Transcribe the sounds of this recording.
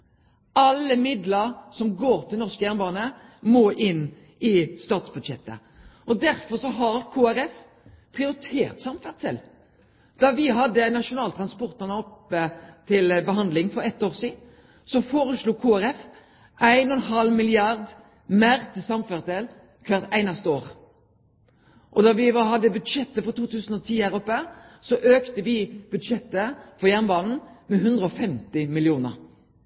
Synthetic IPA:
ɑlːəmɪd̪ləɾsɔmɡoːɾt̪ʰɪlnɔʁskəæʁnbɑːnə | moːʔɪnː | ɪst̪ɑːt̪sbʉd̪ʃɛt̪ːə̰ | ʔɔd̪æɾfɔʁsɔɦɑɾkʰuːæɾɛf | pʰʁɪʊɾɪt̪ʰeːɾt̪sɑmfæʁt̪ʰɛl | d̪̥ɑʋɪɦɑd̪ːənɑʂʊnɑːlt̪ʰʁɑnspɔʁt̪ənəɔpːət̪ʰɪlbəɦɑnd̪lɪŋfɔɾɛt̪ːoːʁsiːd̪ | sɔfoːʁəsluːkʰuːæɾɛf | ʔæɪnɔnɦɑlmɪlɪɑʁd̪ | meːɾt̪ʰɪsɑmføːʁət̪ɛl | kʰʋɑʁt̪æɪnɑst̪əoːʁ | ʔɔd̪ɑʋɪhɑd̪ːəbʉd̪ʃɛt̪ːəfɔʁt̪uːt̪ʰʉːsn̩ɔt̪ʰiːhæːʁɔpːəsɔʔøːkt̪əʋɪb̥ʉd̪ʃɛt̪ːəfɔjæʁnbɑːnn̩mɛɦʉnd̪ʁəɔfɛmt̪ɪmɪlɪuːnə̰ʁ

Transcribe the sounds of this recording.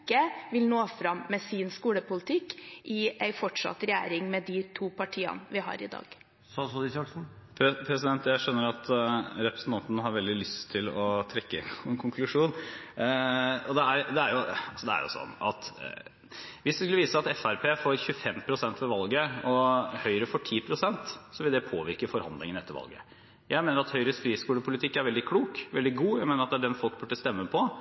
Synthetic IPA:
kːəʋɪlnoːfɾɑmːɛsɪnskuːləpʊlɪt̪ʰɪkːʔɪæɪfɔʈʂɑ̰t̪ːɾɛjæ̰ːɾɪŋmɛd̪ɪt̪ʰuːpʰɑʈʰiːɑ̰nəʋɪɦɑ̰ːɾɪ̰d̪ɑ̰ːɡ̥ | sɑsɔd̪ɪsɑksn̩pʰpʰɾɛsɪd̪ɛnt̪jæɪʂœnːəɾɑt̪ɾɛpɾəsn̩t̪ʰɑnt̪nəɦɑɾʋɛld̪ɪlʏst̪ʰːɪlɔt̪ʰɾɛkːəɛ̰kʰʊŋkʰlʉʂuːn | ɔd̪ɛæɾd̪ɛæɾjʊɑlsɔd̪ɛæ̰ɾjʊ̰sɔ̰nːɑ̰t̪ | ʋɪsd̪ɛskʉlːəʋiːsəɑt̪ɛfæɾpʰeːfoːɾçʉfɛmːpʰɾʊsɛnt̪ʋɔɾʋɑlɡəɔhœʏɾəfɔʈʰiːpʰɾʊsɛnt̪sɔʋɪld̪ɛpʰoːʋɪɾkəfɔɾhɑ̰nd̪lɪŋənɛt̪ːəɾʋɑ̰lɡə̰ | jʔæɪmeːnəɾɑt̪hœʏɾəsfɾiːskuːɽəpʰʊlɪt̪ʰɪkːæɾʋɛld̪ɪkʰluːkʋɛld̪ɪɡuːjæɪmeːnəɾɑt̪̚d̪æɖɛnfɔlk̚bʉʈːəst̪ɛmːəpʰɔ

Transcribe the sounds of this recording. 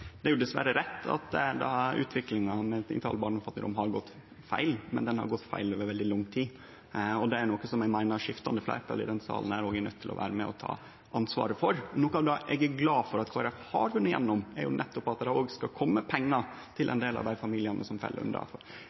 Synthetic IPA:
d̪ɛæjʊd̪ɛsʋæ̰ɾəɾɛt̪ʰːɑ̰t̪d̪ɑ̰ʉ̰ːt̪ʰʋɪklɪŋɑmɛɪ̰ŋt̪ʰɑːləbɑːɳɔmfɑt̪nəɾɔ̰mɦɑɾɡɔt̪ː | fæ̰ɪlmɛ̰nd̪ɛnhɑ̰ɾɡɔt̪ːfæ̰ɪloːʋəɾʋɛld̪ɪlʊŋːt̪ʰiː | ɔd̪ɛæɾnokːəsɔmɛɡmæɪnɑɾʂɪft̪ɑnd̪əflæ̰ɪt̪ʰɑlɪ̰d̪ɛnsɑ̰ːln̩æɾoːɡænœ̰t̪ʰːɪlɔ̰ʋæ̰ːɾəmɛ̰ɔt̪ʰɑ̰ː | ʔɑnsʋɑ̰ːɾəfɔɾnoːkɑɑd̪ɑʔɛɡæɡlɑːfɔɾɑt̪kʰoːæɾɛfhɑɾfʉnːəjɛ̰nːɔmæ̰ɾjʊ̰nʔɛt̪ːɔpɑt̪̚d̪ææoːɡskɑkʰɔmːəpʰɛŋːɑ | t̪ʰɪlʔɛ̰nd̪eːlɑ̰ʋd̪æɪfɑmiːlɪənʔə̰sɔmfɛ̰l̰ːɾʉ̰nɑ̰fɔ

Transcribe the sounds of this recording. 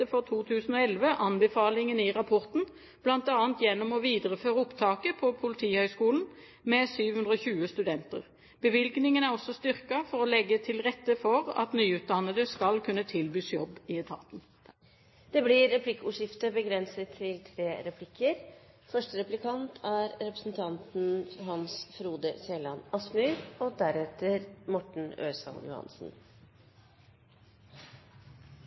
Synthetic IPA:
əfɔʁt̪ʰuːt̪ʰʉːsn̩oːɛlʋəʔɑnbɛfɑːlɪŋənɪʁɑpʰɔʁt̪n̩ | b̥lɑnt̪ɑːənt̪jɛnːɔmɔʋiːd̪əʁəføːʁəʊpt̪ʰɑːkəpʰɔpʰʊlɪt̪ʰiːhœʏskuːln̩ | mɛsyːʋhʉnd̪ʁəɔçʉːəst̪ʉd̪ɛnt̪ə̰ʁ | b̥əʋɪlɡnɪŋənæʁɔsɔst̪ʏʁkɑfɔʁɔlɛɡːət̪ʰɪlʁɛt̪ːəfɔʁɑ̰t̪nyːʉːt̪̚d̪ɑnːəd̪əskɑlkʰʉnːət̪ʰɪlbyːsjɔbːɪɛt̪ʰɑ̰t̪n | d̪̥ɛblɪɾɾɛpʰlɪkːuːʂɪft̪əbəɡɾɛnsət̪ʰːɪlt̪ʰɾeːɾɛpʰlɪkʰːəɾ | fœʂʈəɾɛplɪkʰɑnt̪ʰæɾɾɛpɾəsn̩t̪ʰɑnt̪n̩hɑnsfɾuːd̪əseːlɑnɑsmʉɾɔd̪æɾɛt̪əɾmɔʈɳ̩ø̰ːsɑ̰ljʊ̰hɑ̰nsn̩

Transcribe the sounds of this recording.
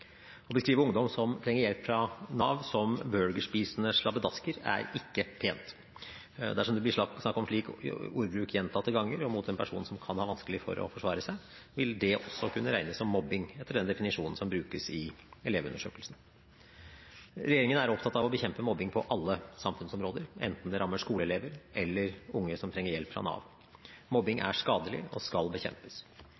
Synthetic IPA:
ɔbəskɾiːʋəɾʊŋd̪ɔmsɔmt̪ʰɾɛŋːəɾjɛlpːfɾɑnɑːʋsɔmbœlɡəʂpiːsənəʂlɑbəd̪ɑskəɾæ̰ɾɪkːəpʰeːnt̪ | d̪æʂɔmd̪ɛb̪lɪʂsnɑkːɔmʂɭiːkuːɾbɾʉːkʰjɛnt̪ʰɑt̪ːəɡɑŋːəɾɔmʊt̪̚d̪ɛnpʰæʂuːnn̩sɔmkʰɑnhɑːʋɑnskəlɪfɔ̰ɾɔ̰fɔʂʋɑːɾəsæɪ | ʋɪld̪ɛʔɔsːɔkʰʉnːəɾæɪnəsɔmːɔbɪŋɛt̪ːəɖ̪ɛnd̪ɛfɪnɪʂuːnn̩sɔmbɾʉːkəsɪɛleːʋʉ̰nəʂøːkəlsn̩ | ɾɛjeːɾɪŋənæɾɔpt̪ʰɑt̪ɑʋɔbəçɛmpəmɔbːɪŋpʰɔʔɑlːəsɑmfʉnsɔmɾoːd̪əɾʔɛ̰nt̪n̩d̪ɛɾɑmːəʂkuːləɛleːʋəɾʔɛlːəɾʊŋːəsɔmt̪ʰɾɛŋːəɾjɛlpfɾɑ̰nɑ̰ːʋ | mɔbːɪŋæ̰ʂkɑːd̪əlɪ̰ɔ̰skɑlbəçɛ̰mpə̥s

